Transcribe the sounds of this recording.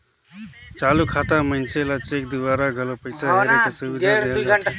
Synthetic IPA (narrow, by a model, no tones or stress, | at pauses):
t͡ʃaːlukʰaːt̪amənt͡ʃelat͡ʃeːk̚d̪ʊʋaːɾaɡʱəlopəɪsaɾekasuʋid̪ʱd̪e